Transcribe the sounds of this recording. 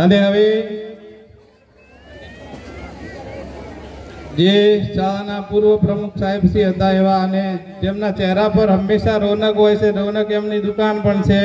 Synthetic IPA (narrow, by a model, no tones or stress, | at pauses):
əneɦəʋe | d͡ʒet͡ʃaɭanapuɾʋəpɾəmukʰsaɦibsiɦət̪aeʋaəne | t̪emnat͡ʃɛɦɾapəɾɦəmːeʃaɾonəkɦojt͡ʃʰeɾonəkemnid̪ukanpəɳt͡ʃʰe